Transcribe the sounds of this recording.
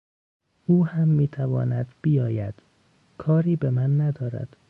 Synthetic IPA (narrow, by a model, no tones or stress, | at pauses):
ʔuːhæmːiːt̪ʰævɒ̰ːnæd̪b̥ijɒːjæd̪̥ | kʰɒːɾiːbemænːæd̪ɒːɾæ̰d̪̥